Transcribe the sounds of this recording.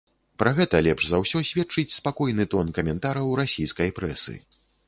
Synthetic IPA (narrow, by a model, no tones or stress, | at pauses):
pɾaɣɛt̪ɐlʲɛpʐzawsʲɔsʲvʲɛt͡ʂɨt͡sʲspakɔjnɨt̪ɔnkɐmʲɛnt̪aɾɐwɾasʲijskɐjpɾɛsɨ̰